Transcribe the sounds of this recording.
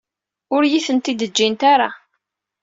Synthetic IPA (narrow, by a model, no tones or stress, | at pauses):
ʊɾjiθənt̪id̪əd͡ʒːint̪aɾa